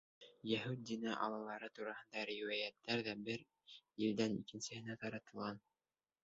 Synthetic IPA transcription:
jæɦʉt̪̚d̪inæʔɑ̰lˠɑlˠɑɾɤt̪uɾɑhɤ̆nd̪ɑɾiwæjæt̪ːæɾðæbɘɾ | ild̪ænikɘ̆nsɘ̆hɘ̆næt̪ɑɾɑt̪ɤ̆lˠʁɑn

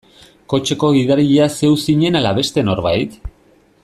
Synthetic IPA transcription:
ko̞t͡ʃe̞ko̞ɣiðaɾiʎease̞wsiɲe̞nalaβe̞st̪e̞no̞ɾβajt̪

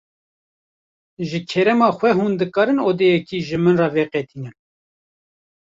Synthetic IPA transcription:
ʒɨkʰɛɾɛmɑːxʷwɛɦuːnd̪ɨkɑːɾɨnoːd̪eːjɛkiːʒɨmɨnrɑːveːqɛt̪iːnɨn

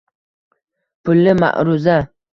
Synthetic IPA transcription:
pʰʊlːɪma̰ʔɾʊza

